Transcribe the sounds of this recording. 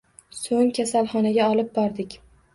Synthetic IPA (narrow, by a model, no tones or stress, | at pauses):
soŋkʲʰasalˠχɒnaɡʲaɒlˠɪp̚bɒɾd̪ɪkʲ